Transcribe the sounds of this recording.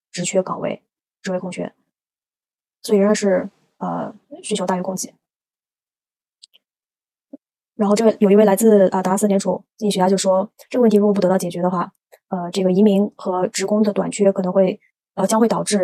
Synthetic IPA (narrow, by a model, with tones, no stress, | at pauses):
ʈ͡ʂɻ̩˧˥t͡ɕʰɥɛ˥kɑ˨˩wḛ˥˩ɪ | ʈ͡ʂɻ̩˧˥wɪkʰŋt͡ɕʰɥɛ̰˥n | swɔ˧˥i˨˩ɻə˥˧˥ʂɻ̩˥˩ | ə̰˧ | ɕy˥nt͡ɕjo˧ʊa˥˩ɥɛ˥kʊ˥ŋt͡ɕi˥˩˦ | ɻa˧˥xo˥˧ʊʈ͡ʂɤ˥˩˥jo˨˩ʊi˧˥wɪla˧˥t͡sɹ̩˥˩ə˧t̪a˧˥s̩˥˩jɛ˧˥nʈ͡ʂʰu˨˩˦ɕa˥˧jo˥˩ʂʂwɔ˥ʈ͡ʂɤ˥˩ə˧wt̪ʰi˧ɻpu˥˩˧tɑ˥˩ʊt͡ɕɛ˨˩t͡ɕɥɛ˧˥d̪ə˧xwa˥˩ | ə˧ʈ͡ʂɤ˥˩ɡə˩i˧˥mi˧˥ŋxɤ˧˥ʈ͡ʂɻ̩˧˥kʊ˥ŋd̪ə˨t̪wa˨˩nt͡ɕʰɥɛ˥kʰɤ˨˩nɤ˧˥ŋxwe˥˩ɪ | ə˧t͡ɕjɑ˥ŋxwe˥˩ɪtɑ˨˩ʊʈ͡ʂɻ̩˥˩